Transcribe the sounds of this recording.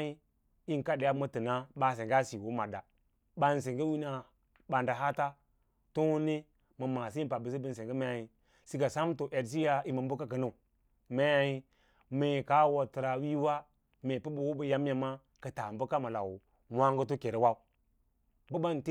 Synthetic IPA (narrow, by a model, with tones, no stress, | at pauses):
i˦ | i˦ŋ˨ka˦de˨ja˦mə˦tə˨na˦ɓa˨s̬e˨ŋɡa˦si˨wo˦ma˨da̰˨ | ɓa˦n˨s̬e˨ŋɡə˦wi˦na˨ | ɓa˨nda˨ɦa˦ta˦ | to˦ne˦ | mə˨ma˨si˦i˦mpa˨bə˨s̬i˦bə˦n˨se˨ŋɡə˦ma˦a˨ji˨ | si˦ɡa˨sa˦mto˨ʔe˨ds̬i˦ja˦i˨mə˨mbu˦ka˦kə˨nu˦˨ | me˦ja˦ji˦ | me˨ka˦wo˨tə˨ɾa˨wi˦wa˦ | me˨pə˦bu˨wo˦bə˨ja˦m˦ja˨ma˦ | kə˨ta˨mbə˦ka˦ma˨la̰˨w | wa˦ŋɡə˦to˦ke˨ɾe˨˦wa˦u˦ | bə˦ba˦n˨te˦